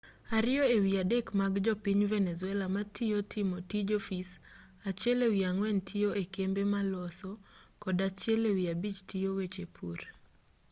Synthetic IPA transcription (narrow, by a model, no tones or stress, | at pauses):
aɾɪjɔewiadekmaɡd͡ʒɔpiɲvɛnɛzʊɛlamatʰijotʰɪmotid͡ʒofis | at͡ʃɛlewiaŋwɛntʰioʔekembemalɔsɔkɔdat͡ʃɪɛlewiabit͡ʃtʰijowet͡ʃepʰuɾ